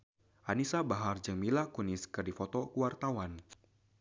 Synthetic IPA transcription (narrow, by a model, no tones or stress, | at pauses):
ʔanisabaɦard͡ʒɨŋmilakuniskɨrdifɔt̪ɔkuwart̪awan